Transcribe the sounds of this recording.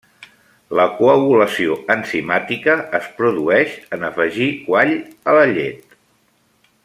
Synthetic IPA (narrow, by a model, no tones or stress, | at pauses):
ləkuəɣuləsioənsimat̪ikəːspɾuðuɛʃənəfəʒikwaʎələʎḛt̪